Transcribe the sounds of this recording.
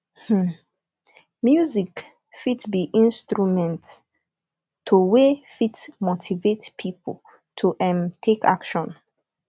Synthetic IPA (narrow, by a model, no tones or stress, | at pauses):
h̩ | mjuzik | fitbiʔĩnstɹumɛ̃nt | tʰːuwefitmotʰivetpʰipʰol | tʰuʔɛ̃mtʰekʰa̰kʃɔ̃n